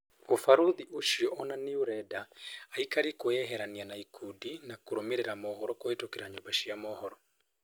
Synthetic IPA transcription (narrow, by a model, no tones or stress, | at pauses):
ofaɾuðiʔoʃiɔɔnaniuɾɛdaːikaɾikoɛɦɛɾanianaikʰudinakoɾomeɾɛɾamɔhɔɾɔkɔetokeɾaɲɔbaʃiamɔhɔɾɔ